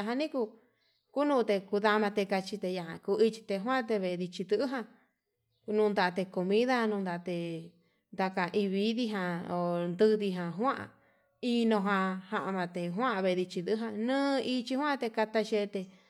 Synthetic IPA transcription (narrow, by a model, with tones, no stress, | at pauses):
a˧ɦã˧nĩ˦ku˧ | ku˦nũ˧t̪e˧ku˧ða˧mã˧t̪e˧ka˧t͡ʃi˧t̪e˧ja˧˨ã˧ku˧i˧t͡ʃi̥˧t̪e˧ɦw̃ã˦˧t̪e˧βe˧e˧ði˧t͡ʃi˧d̪ɨ˧ʔɨ˦ɦã˧ | nũː˧nd̪a˧˨˧t̪e˧ko˨mĩ˦ða˦nũ˧nd̪a˧˨˧t̪e˧ | nd̪a˧ka˧ʔi˧βi˧˦ði˦ɦã˧o˨nd̪ɨ˦˧ði˧ɦã˧ɦwã˦ʔa̰˧ | i˧nõ˧ɦã˧hã˧ʔa˧mã˧t̪e˧˨ɦwã˦ʔβe˧˨e˧ði˧t͡ʃi˧d̪ɨ˧˦ɦã˧nɨ̃ː˦i˧t͡ʃi˧hwã˦˧t̪e˧ka˧t̪a˧ʃe˧t̪e˧